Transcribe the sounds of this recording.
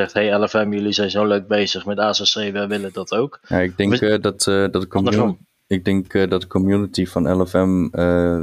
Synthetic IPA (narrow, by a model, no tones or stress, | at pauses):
ɛχtɦejɛlɛfɛmjəlizɛjnzowløɥk̚bejzəχmɛtaːsɛsejʋɛʋɪlədɑtowkjaɪɡ̚dɛŋdtdɑtdək | ɪɡ̚dɪŋkdɑt̚dəkɔmjunətifɑnɛlɛfɛmə